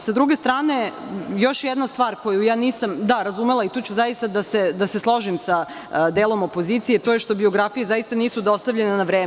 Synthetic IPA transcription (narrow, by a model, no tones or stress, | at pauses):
sad̪ɾuɡe̞st̪ɾaːne̞jo̞ʃjɛd̪nast̪ʋaːɾko̞jujaːniːsamd̪aɾazumelˠait̪oːt͡ɕuzajist̪ad̪ased̪ase̞slˠo̞ʒimsa | d̪eːlˠo̞mo̞po̞ziːt̪sijet̪ojeʃt̪o̞bio̞ɡɾafijezajist̪aniːsud̪o̞st̪aʋʎe̞nenaʋɾeː